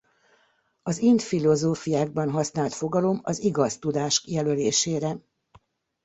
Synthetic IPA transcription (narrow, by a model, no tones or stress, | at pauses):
ɒzint̪filo̞zoːfijaːɡ̚bɒnɦɒsnaːlt̪fo̞ɡɒlo̞mɒziɡɒst̪ud̪aːʃkjɛløleːʃeːɾɛ